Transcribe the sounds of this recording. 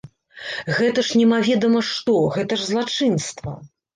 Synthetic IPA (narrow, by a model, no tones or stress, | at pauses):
ɣɛt̪ɐʂnʲɛmavʲɛd̪ɐmɐʂt̪ɔɣɛt̪ɐʐzlˠat͡ʂɨnst̪vɐ̰